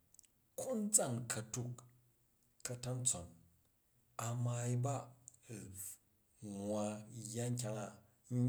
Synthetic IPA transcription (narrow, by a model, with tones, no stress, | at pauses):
kʰu˦n̩˦d͡za˦˨ŋkʰɐ˧tu˧kː | ɐ˧ta˦nt͡so˨n | a˧ma˧i˦ba˦˨ | ŋwa˧ja˦ŋ˦k̬ʲa˧ŋa˨˦